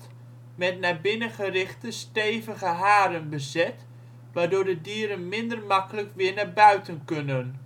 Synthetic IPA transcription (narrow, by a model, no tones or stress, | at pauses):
t | mɛtnabɪnəχərɪχtəstejvəɣəɦaːɾənbəzɛt | ʋaːdʊːɹdədiːəɾənmɪndərmɑkələkʋɪːɹnabœɥtənkɵnən